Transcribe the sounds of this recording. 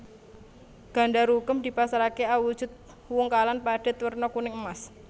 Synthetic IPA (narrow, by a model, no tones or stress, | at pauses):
ɡ̥a̤ɳɖaɾukəmd̪̥i̤pasaɾakeawud̥ʒ̥ʊ̤t̪̚ | wʊŋkalanpaɖ̥ɛt̪wərnɔkunɪŋəmas